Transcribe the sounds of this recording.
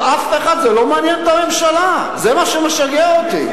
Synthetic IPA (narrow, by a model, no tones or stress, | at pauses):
afeχad̪zɛlo̞manjɛnt̪ame̞mʃala | zemaʃemeʃaɡeaot̪ḭ